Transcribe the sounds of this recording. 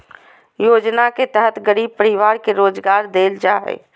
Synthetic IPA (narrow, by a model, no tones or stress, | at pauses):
jod͡ʒnaket̪əɦət̪ɡəɾiːb̚pəɾiʋaɾkeɾoːd͡ʒɡaɾd̪eld͡ʒaɦɛ̰